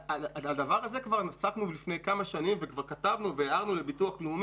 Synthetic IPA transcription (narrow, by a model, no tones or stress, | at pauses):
aaad̪avaʁaze̞kvaʁnasaknublifnejkamaʃanimvekvaʁkatavnuveeaʁnulebituaχleum